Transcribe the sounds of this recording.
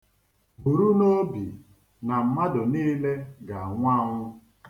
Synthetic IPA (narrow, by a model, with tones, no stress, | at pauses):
bu˨ɾu˦no˦bi˨ | na˨m̩˨ma˦dʊ˨niː˦le˦ɡa˨ŋʷa˦ŋʷʊ˦